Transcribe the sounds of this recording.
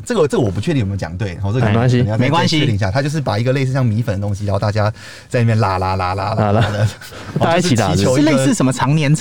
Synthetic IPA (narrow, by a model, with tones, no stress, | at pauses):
ʈ͡ʂɤ˥˩ɡə˨˩ʈ͡ʂə˥˩ɡə˨wɔ˨˩pu˧˩t͡ɕʰy˥˧i˥˩˨t͡ɕjɑ̰˨˩ŋt̪we˥˩ɪxɔ˧˦ɤ˥˩kkwa˥nɕi˧˨˧me˧˦ɪkwa˦nɕi˧˥i˥˧ŋ˩ɕja˥˧t̪ʰa˥t͡ɕo˥˧ʊʂ̬ɻ̩˥˩pa˨˩i˧˥ɡə˧le˥˧ɪs̬̩˥˧ɕjɑ˥˩ŋmi˧˥fə˨nd̪ə˩t̪o˥ŋɕ̬i˧ɻa˧˥˧t̪a˥˧t͡ɕja˦˥ | t͡sa˥ɪni˥˩jla˨˩la˧˥la˧la˧˥la˧˩˧d̪ə˨˧ | a˥˧˥ʂi˨˩t̪a˨˩t͡ɕjo˧˥ʊ˥˧le˥˧ɪsɹ̩˥˩ʂə˨˩mə˦˧t͡sʰɑ˧˥ŋnjɛ˧˥n